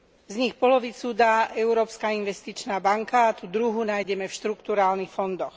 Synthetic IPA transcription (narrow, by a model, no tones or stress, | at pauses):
zɲixpɔlɔʋit͡sud̪aːʔɛuɾɔːpskainʋɛst̪it͡ʃnaːbaŋkaːt̪ud̪ɾuɦunaːjɟɛmɛfʃt̪ɾukt̪uɾaːlnixfɔnd̪ɔx